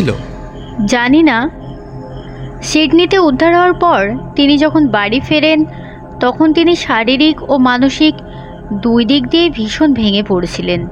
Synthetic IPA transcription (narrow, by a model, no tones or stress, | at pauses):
lo̰ | d͡ʑanina | ʃiʈnit̪eud̪ʱːaɾɦɔaɾpɔɾt̪inid͡ʑɔkʰonbaɽifeɾen | t̪ɔkʰont̪iniʃaɾiɾikomanoʃik | d̪ujd̪ik̚d̪iebʱiʃonbʱeŋepoɽet͡ɕʰilen